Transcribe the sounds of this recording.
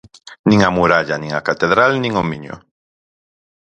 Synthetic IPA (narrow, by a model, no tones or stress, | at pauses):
nĩŋamuɾaʎanĩŋakat̪eðɾalnĩŋomiɲo̰